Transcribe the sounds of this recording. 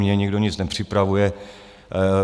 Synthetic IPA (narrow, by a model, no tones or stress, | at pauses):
ɲɛɲiɡdoɲɪt͡snɛpr̝̥ɪpɾavujɛ